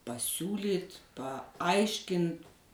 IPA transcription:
pɐsʲˈuːlʲiːt pɐˈɐɪʃʲkʲɪnt

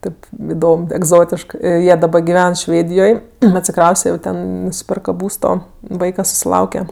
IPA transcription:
ˈtʲeːp ɪˈdoːm ɛɡˈzoːtʲɪʃkɜ ˈjiɛ dɐˈbɐ ɡʲɪˈʋʲɛn ˈʃʲʋʲeːdʲɪjoːj ɐtʲsʲɪˈkrɐʊsʲtʲɛ jɛʊ ˈtʲɛn nʊsʲɪˈpʲɛrkɐ ˈbuːstoː ˈʋɐɪkɐ sʊsʲɪˈlˠɐʊkʲɛ

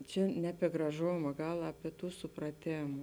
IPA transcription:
ˈt͡ʃʲɛ nʲɛ ɐpʲiɛ ɡrɐˈʒoːmɐ ˈɡɐlˠ ɐpʲiɛ ˈtuː sʊprɐˈtʲeːm

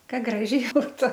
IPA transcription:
ˈkɐ ˈɡrɑːʒʲɛɪ ˈbuːtʊ

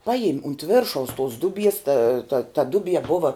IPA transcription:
ˈpɑːjɪm ʊnt ˈʋʲɪrʃɐʊs tʊs ˈdʊˌbʲiɛs tɐ tɐ tɐ ˈdʊˌbʲiɛ ˈbʊʋɐ

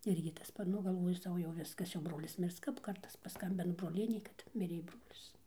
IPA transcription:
ˈɪrʲɡʲɪ tɐs ˈpɐt ˈnʊ ɡɐlˠˈʋoːjʊ ˈsɐʊ jɛʊ ˈʋʲɪskɐs jɛʊ ˈbroːlʲɪs ˈmʲɪrs kɐp ˈkɐrtɐs pɐˈskɐmʲbʲɪnɐ broːˈlʲiɛnʲeː kɐt ˈmʲɪrʲeː ˈbroːlʲɪs

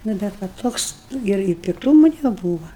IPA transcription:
ˈnʊ bʲɛt ˈʋɐ ˈtoːks ˈnʊ ɪr ɪ pʲɪkˈtuːmʊ nʲɛˈbuːʋɐ

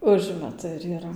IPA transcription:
ˈʊʒʲmʲɛtʊ ɪr iːˈrɐ

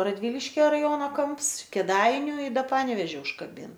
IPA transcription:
rɐdʲˈʋʲiːlʲɪʃʲkʲɛ rɐˈjoːnoː ˈkɐmps kʲeːˈdɐɪnʲʊ ɪ ˈdɐ ˈpɑːnʲɛʋʲeːʒʲɪ ʊʃkɐˈbʲɪn

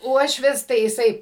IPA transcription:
ˈuɔʃʲʋʲɪs tɐɪ jɪˈsɐɪ

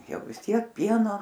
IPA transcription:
ˈjɛʊ ʋʲɪs ˈtʲiɛk ˈpʲiɛnoː

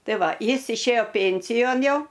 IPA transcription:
ˈtɐɪ ˈʋɐ ˈjɪs ɪʃʲˈeːjoː ˈpʲeːnʲsʲɪjoːn ˈjɛʊ

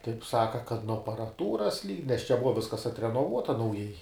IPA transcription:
tɐɪp ˈsɑːkɐ kɐt nuɔ ɐpɐrɐˈtuːrɐs lʲiːk nʲɛs t͡ʃʲɛ ˈbʊʋɐ ˈʋʲɪskɐs ɐtʲrʲɛnoːˈʋuɔtɐ nɐʊˈjɛɪ

